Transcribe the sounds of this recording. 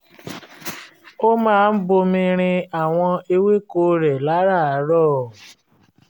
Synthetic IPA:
o˦mãː˦˧n̩˦bo˧mĩ˧ɾ̃ĩ˧a˦˨w̃ɔ̃˧e˧we˦ko˦˨ɾɛ˨la˨˦ɾa˦˨a˨˦ɾɔː˦˨

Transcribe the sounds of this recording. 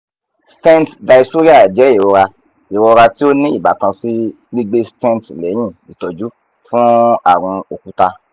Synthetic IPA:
stɛ̃˦n˨tda˨˧i˧so˦ɾi˦a˦˨d͡ʒɛ˨˦i˦˨ɾɔ˧ɾa˧ | i˨ɾɔ˧ɾa˧ti˦o˦nĩ˦i˦˨ba˨tã˧si˦ | ɡ͡bi˦ɡ͡be˦stɛ̃˦n˨tlɛ˨˦j̃ĩ˦˨i˨tɔ˨d͡ʒu˨˦ | fũ˦a̰˦˨ɾ̃ũ˧o˨ku˨˦ta˧

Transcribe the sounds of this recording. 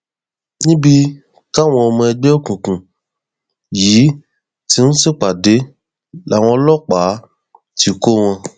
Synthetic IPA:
nĩ˦bi˧ | ka˦˨w̃ɔ̃˧o˧mũ˧ɛ˧ɡ͡bɛ˦o˦kũ˨kũ˨ | jiː˨˦ | ti˦nũ˦si˦˨k͡pa˨de˨˦ | la˨w̃ɔ̃˧˦lɔ˦k͡pa˨˦ | ti˦ko˦w̃ɔ̃˧

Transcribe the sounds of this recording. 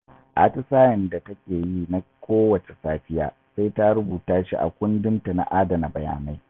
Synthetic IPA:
ʔa˨tɪ˦saː˦jɪ˨nda˨tɐ˦kʲeː˨jiː˦na˦kʷoː˦wɐ˨t͡ʃe˨saː˦ɸɪ˦ja̰ː˨ | sa˦jta˦ɽʊ˦buː˨taː˦ʃḭ˦ʔa̰˨kʷʊ˦ndɪ˦nta˨na̰˨ʔaː˦dɐ˨na˨bɐ˨ja̰ː˨na˦j

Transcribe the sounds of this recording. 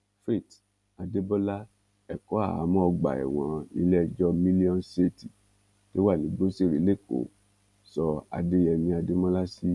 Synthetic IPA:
fɾi˦˨t | a˧de˦bɔ˦la˦ | ɛ˨kɔ˨˦a̰˦˨a̰˨˦mɔ̃˦ɔ˧ɡ͡ba̰˨ɛ̰˨w̃ɔ̃˨nḭ̃˧˦lɛ˦˧d͡ʒɔ˦mĩ˦li˦ɔ̃˦nse˦˨ti˨ | to˦wa˦˨nĩ˨˦ɡ͡bo˦se˦˨ɾi˨˦le˦˨ko̰˨ | sɔ˧a̰˧de˦jɛ˧nĩ˧a˧de˦mɔ̃˦la˦si˦

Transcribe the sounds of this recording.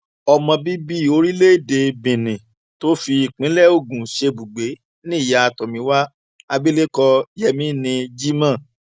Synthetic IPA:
ɔ˧mɔ̃˧bi˦bi˦˨o˧ɾi˦le˦˨de˧bĩ˨nĩ˨ | to˦fi˧˨k͡pĩ˨˦lɛ˦˨o˦˨ɡũ˨ʃe˧bu˨ɡ͡be˨˦ | nĩ˦˨ja˨˦a˧tɔ˨mĩ˨˦wa˦ | a˧bi˦le˦kɔ˧jɛ˦mĩ˦nĩ˧d͡ʒi˦mã˦˨

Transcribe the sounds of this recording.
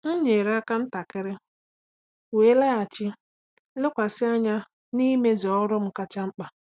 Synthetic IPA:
ŋ̩˦ɲe˨ɾa˦ka˦n̩˦ta˨kɪ˦ɾɪ˦ | we˨˦le˦a˨t͡ʃɪ˦ | lɪ˦kʷa˨sɪ˦a˦ɲa˦ | ni˦me˦zɔ˦ɾʊ˦m̩˨ka˦t͡ʃa˦ŋ͡m̩˦k͡pa˨

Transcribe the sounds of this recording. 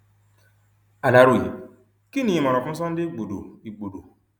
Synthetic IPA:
a˨la˨ɾu˨ḭ˨ | ki˦nĩ˨mɔ˨ɾɔ˨fu˦sɔ˦n̩˦dɪ˦ɡ͡bo˨do̰˨i˨ɡ͡bo˨do̰˨

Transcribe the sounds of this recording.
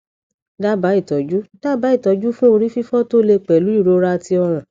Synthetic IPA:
da˦ba˨˦i˦˨tɔ˨d͡ʒu˦d̥a˦ba˨˦i˦˨tɔ˨˧d͡ʒu˦fũ˦o˧ɾi˦fi˦fɔ˦to˦le˧k͡pɛ˨lu˨˦i˦˨ɾo˧ɾa˧ti˧ɔ˧ɾ̃ã˨

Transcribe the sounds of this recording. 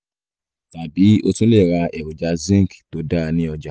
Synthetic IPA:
ta˨bi˨˦o˧tũ˦le˦˨ɾa˧˦ɛ˨wo˨d͡ʒa˧zĩ˦ŋ˨kto˨˦da˦˧nĩ˦ɔ˧d͡ʒa˨

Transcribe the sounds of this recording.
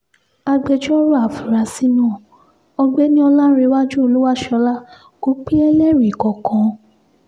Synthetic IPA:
a˧ɡ͡be˧d͡ʒɔ˦ɾu˦a˨fi˨ɾa˨si˦nã˦˨ | ɔ˧ɡ͡be˦nĩ˦ɔ˧la˦ɾe˧˦wa˦d͡ʒu˦o˧lu˦wa˦˨ʃɔ˧˦la˦ | ko˨˦k͡pi˦ɛ˦le˦˨ɾi˨kɔ˨kʰɔ̃˨˦

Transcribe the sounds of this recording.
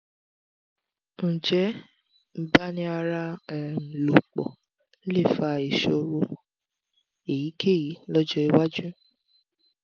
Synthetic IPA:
n̩˨d͡ʒɛ˨˦ | m̩˦ba˦nĩ˧˦a˧ɾa˧˨m̩˨lo˨k͡pɔ̰˨˦ | le˦˨fa˧˨i˨ʃo˧ɾo˧ | e˨ji˨˦kʰe˦˨ji˨˦lɔ˦d͡ʒɔ˦i˧wa˦d͡ʒũ˦

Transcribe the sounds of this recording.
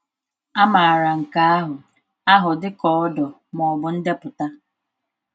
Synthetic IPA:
a˦ma˨a˨ɾa˨ŋ̩˨ka˦a˦ɦʊ˨ | a˦ɦʊ˨dɪ˦kɔ˨˦ɔ˦dɔ˨ | mɔ˨bʊ˨n̩˦de˦pʊ˨ta˦

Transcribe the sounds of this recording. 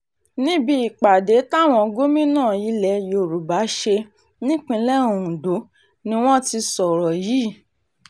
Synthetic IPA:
nĩ˦bi˧i˨k͡pa˨de˨˦ta˦˨w̃ɔ̃˧ɡo˦mĩ˦nãː˦˨ji˨˦lɛ˧˦jo˨ɾu˨ba˨˦ʃe˧ | nĩ˦k͡pĩ˧lɛ˦ũ˨ũ˨do˨˦ | nĩ˦w̃ɔ̃˦ti˧sɔ˨ɾɔ˨ji˨˦˨

